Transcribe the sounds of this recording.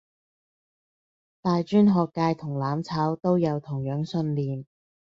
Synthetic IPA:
t̪aː˨jt͡ʃyː˥nɦɔː˨kːaː˧jt̪ʰʊ˨˩ŋlaː˨˥mt͡sʰaː˨˥wt̪o˥wjɐ˨˧wt̪ʰʊ˨˩ŋjœː˨˥ŋsɵ˧nliː˨m

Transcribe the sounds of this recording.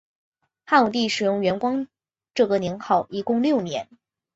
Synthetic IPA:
xa˥˩nu˨˩t̪̬i˥˩ʂɻ̩˨˩jʊ˥˩ŋɥɛ˧˥nkwɑ˥ŋ | ʈ͡ʂɤ˥˩ɡə˨˩njɛ˧˥nxɑ˥˩ʊʔi˧˥kʊ˥˧ŋljo˥˩ʊnjɛ̰˧˥n

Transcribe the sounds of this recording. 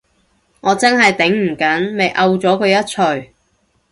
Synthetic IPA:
ŋɔː˨˧t͡sɐ˥ŋɦɐ˨jt̪ɪ˨˥ŋm̩˨˩kɐ˨˥nme˨jʔɐ˧wt͡sɔː˨˥kʰɵ˨˧ɥjɐ˥t̚t͡ʃʰɵ˨˧ɥ

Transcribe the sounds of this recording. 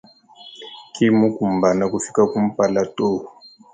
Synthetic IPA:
ki˦mu˦ku˨mba˨na˨ku˨fi̥˦ka˦ku˦m̩˦pa˦la˦to˦˨

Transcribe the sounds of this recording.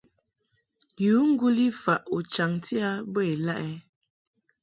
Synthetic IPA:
ju˨˦ŋ̩˦ɡu˦li˦fa˨ʔu˨t͡ʃa˨ŋti˦a˦bə˦e˨la˦ʔɛ˦

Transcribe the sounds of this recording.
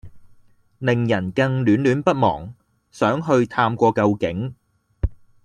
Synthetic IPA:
lɪ˨ŋjɐ˨˩nkɐ˧ŋlyː˨˥nlyː˨˥npɐ˥t̚mɔ̰ː˨˩ŋ | sœː˨˥ŋɦɵ˧ɥt̪ʰaː˧mkʷɔː˧kɐ˧wkɪ˨˥ŋ

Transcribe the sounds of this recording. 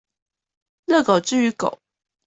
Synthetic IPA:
lɤ˥˩ko˨˩ʊʈ͡ʂɻ̩˥˩y˧˥ko̰˨˩˦ʊ

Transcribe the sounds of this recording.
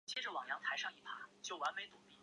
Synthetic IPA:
t͡ɕʰjɛ˥˩ʈ͡ʂɻ̩˥˩wɑ˨˩ŋjɑ˧˥ŋt̪ʰa˧˥ɪʂɑ˥˧ŋi˥˩pʰa˥t͡ɕjo˥˩ʊwa˧˥nme˧˥ɪt̪u˨˩pi˥˩

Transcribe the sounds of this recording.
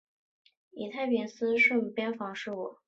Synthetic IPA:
ḭ˨˩t̪ʰa˥˩ɪpi˧˥nsɹ̩˥ʂə˥˩ŋ˨˩pjɛ˥nfɑ˧˥ŋʂɻ̩˥˩wɔ˨˩˦

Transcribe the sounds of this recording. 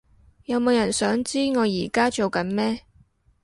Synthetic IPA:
jɐ˨˧wmo˨˧wjɐ˨˩nsœː˨˥ŋt͡siː˥ŋɔː˨˧jiː˨˩kaː˥t͡so˨wkɐ˨˧˥nmɛː˥

